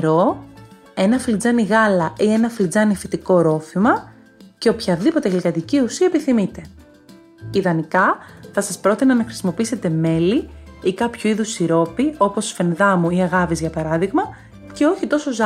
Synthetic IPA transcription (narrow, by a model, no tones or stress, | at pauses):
ɾo̞ | e̞nɐfild͡zɐniɣɐlɐʔie̞nɐfild͡zɐnifet̪iko̞ɾo̞fimɐ | ce̞o̞pçɐðipo̞t̪eɣlikɐt̪iciusiɐepiθimit̪e̞ | iðɐnikɐθɐsɐspɾo̞t̪inɐnɐxɾi̥simo̞piise̞t̪e̞me̞liikɐpçuiðusiɾo̞pio̞po̞sfe̞nðɐmuiɐɣɐvizʝɐpɐɾɐðiɣmɐ | ce̞o̞çit̪o̞so̞z